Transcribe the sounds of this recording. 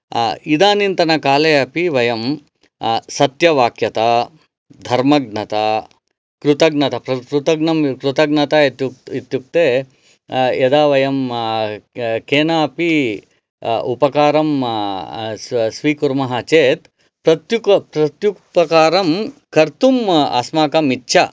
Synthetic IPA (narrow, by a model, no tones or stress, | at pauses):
id̪aːnint̪ɐnɐkaːleːɐpiʋɐjɐm | sɐt̪jɐʋaːkʰjɐt̪ɐ | d̪ʱɐɾmɐɡnɐt̪ɐ | kɾut̪ɐɡnɐt̪ɐpɾɐkɾut̪ɐɡnɐmkɾut̪ɐɡnɐt̪at̪uit̪juk̚t̪eː | jɐd̪aːʋɐjɐm | keːnaːpi | upɐkaːɾɐm | sʋiːkuɾmɐɦɐt͡ʃeːt̪ | pɾɐt̪jukpɾɐt̪jukpɐkaːɾɐmkɐɾt̪uma̰smaːkɐmitːʃʰɐ